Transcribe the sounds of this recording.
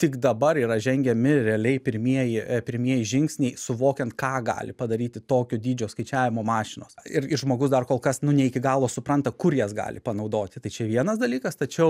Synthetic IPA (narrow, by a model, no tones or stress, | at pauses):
t̪ʲɪkd̪ɐbɐɾiːɾɐʒʲɛŋʲɡʲɛmʲɪɾʲɛɐlʲɛɪpʲɪɾʲmʲiɛjɪpʲɪɾʲmʲiɛjɪʒʲɪŋksʲnʲɛɪsʊʋoːkʲɛnt̪kɑːɡɑ̰ːlʲɪpɐd̪ɐɾʲiːt̪ʲɪt̪oːkʲoːd̪ʲiːd͡ʒʲoːskɐɪt͡ʃʲæːʋʲɪmoːmɑːʃʲɪnoːsɪrɪʒmoːɡʊsd̪ɐrkoːlˠkɐsnʊnʲɛɪkʲɪɡɑːlˠoːsʊpɾɐnt̪ɐkʊɾjɛsɡɑ̰ːlʲɪpɐnɐʊd̪oːt̪ʲɪt̪ɐɪt͡ʃʲɛʋʲiɛnɐsd̪ɐlʲiːkɐst̪ɐt͡ʃʲɛʊ